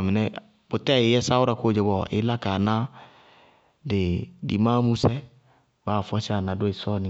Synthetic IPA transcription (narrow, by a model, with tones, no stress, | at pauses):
mɪ˨nɛ˦ | bo˨tɛ˦˨e˨˦jɛ˦sa˦wʊ˦ɾa˦ko˦˨d͡ʒɛ˨bɔ˨ʔḛ˦la˦ka˨nã˦ | de˨dḭ˨mã˦mu˦sɛ˦ | baː˨fɔ˦sa˨nã˨do˦e˨sɔ˦nĩ˨